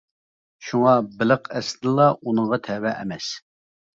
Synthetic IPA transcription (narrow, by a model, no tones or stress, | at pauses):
ʃuŋɑbɪləqɛsɪd̪lˠɑʔunəŋʁɑt̪ʰɛwɛʔɛ̰mɛs